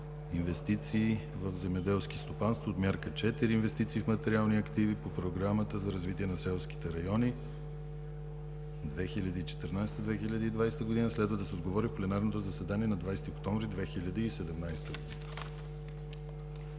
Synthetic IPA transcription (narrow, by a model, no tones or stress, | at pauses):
invɛst̪it̪siː | vəvzɛmɛd̪ɛlˠsk̟ist̪opanst̪voːt̪mʲjaɾkət͡ʃɛt̪iɾiːnvɛst̪it̪siːfmɐt̪ɛɾialˠniɐkt̪ivipopɾoɡɾamət̪əzɐɾɐzvit̪iɛnɐsɛlˠsk̟i̥t̪ɛɾɐjɔni | d̪vɛxilʲɐd̪iit͡ʃɛ̥t̪əɾnajsɛt̪əd̪vɛxilʲɐd̪iid̪vajst̪əɡʊd̪inəslɛd̪vɐd̪ɐsɛod̪ɡovɔɾifplɛnaɾnot̪ozɐsɛd̪aniɛnɐd̪vajsɛt̪iokt̪ɔmvɾid̪vɛxilʲɐd̪iːsɛd̪ɛmnajst̪əɡod̪inə